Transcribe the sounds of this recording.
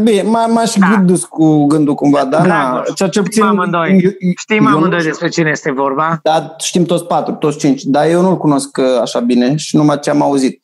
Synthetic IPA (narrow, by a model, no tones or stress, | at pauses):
binemamaʃɡɨd̪uskuɡɨnd̪ukumvad̪anat͡ʃt͡ʃeput̪iamɨnd̪ojʃt̪ijmmɨnd̪ojd̪e̞spɾe̞t͡ʃinejest̪e̞vo̞rbad̪aʃt̪imt̪ot̪sʲpat̪ɾut̪ot̪sʲt͡ʃint͡ʃʲd̪ajewnulkuno̞skaʃabine̞ʃinumat͡ʃeamauzit̪̚